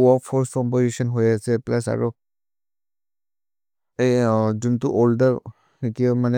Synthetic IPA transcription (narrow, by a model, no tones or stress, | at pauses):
ɔpʰɔɹstkɔmpozisɔnɦojasɛplas̬a̰ɹɔ | ezuntuʔoldaɹ | itiɔmanɛ